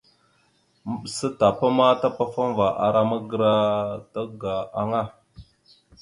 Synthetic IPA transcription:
mə˦˨ɓsə˦ta˨pa˦ma˦ta˦pa˦fa˦n˦va˨ʔa̰˨ɾa˦ma˦ɡə˦˨ɾa˦ta˦ɡa˨a˨ŋa˦˨

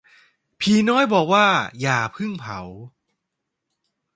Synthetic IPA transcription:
pʰiː˧nɔː˥˩jbɔː˨˩k̚waː˥˩jaː˨˩pʰɯ˥˩ŋpʰa̰˩˦w

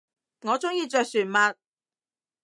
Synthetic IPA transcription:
ŋɔː˨˧t͡sʊ˥ŋjiː˧t͡ʃœː˨˧k̚syː˨˩nmɐ˧t̚

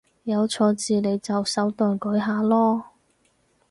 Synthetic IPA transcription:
jɐ˨˧wt͡sʰɔː˧t͡siː˨le˨˧jt͡sɐ˨wsɐ˨˥wt̪ɔː˨˩nkɵ˨˥jɦaː˨˧lɔː˥

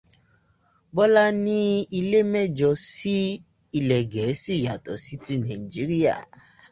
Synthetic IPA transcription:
bɔ˦la˦nĩ˦i˧le˦mɛ˦˨d͡ʒɔ˧si˦ | i˧lɛ˨ɡɛ˨˦si˦˨ja˨tɔ˨si˦ti˦nã˨i˨d͡ʒi˦ɾi˦a̰˦˨

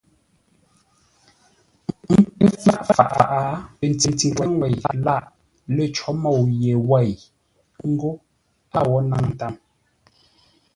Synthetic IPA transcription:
ŋ̩˦pə˦fa̰˦ʔfa̰˨ʔa̰˨ʔa˨˦pe˨n˨ti˨n˨ti˨wa˦ŋwɛ˨ja˨la˦˨ʔ | lə˨t͡ʃɔ˨˦mɔ˦˨wje˨wa˦˨j | ŋ̩˦ɡo˦ | a˦˨wɔ˨˦na˦ŋn̩˦ta˦˨m

